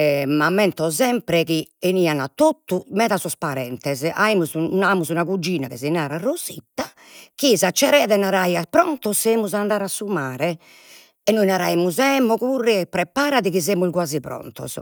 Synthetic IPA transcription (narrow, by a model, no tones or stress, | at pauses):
ɛmamːɛnt̪ɔzɛmpɾɛkieniːanat̪ːot̪ːumɛðasɔspaɾɛnt̪ɛza̰imuzunamuzunakud͡ʒːiːnakɛzinaːɾarozḭt̪ːa | kizat͡ʃːɛɾɛːaðɛnaɾajaspɾɔnt̪ɔsemuzand̪aːɾasːumaːɾɛ | ɛnːojinaɾaimuzɛːmɔkurːɛpɾɛpaːɾaðiɣizemulɡwaːzipɾɔ̰nt̪ɔ̰z